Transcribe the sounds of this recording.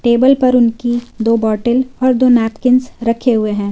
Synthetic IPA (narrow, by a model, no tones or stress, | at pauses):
ʈeːbəlpɐɾʊnkid̪oːbɔːʈəlɔːɾd̪oːnɛːpkɪ̃nsɾɐkʰeɦʊeɦɛ̃ː